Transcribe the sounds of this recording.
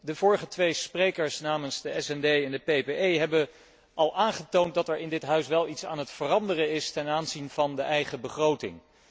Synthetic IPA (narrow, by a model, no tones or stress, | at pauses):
dəvʊːɹəχətʋejsprejkəɹsnaːmənzdəɛsɛndejɛndəpejpeejɦɛbə | ʔɑlˠaːnχətownt̚dɑtɛɹɪndɪtɦœɥsʋɛlˠitsa̰ːnɦətfərɑndərəɪstɛnaːnzinvɑndəʔɛjχəbəχrowtɪ̰ŋ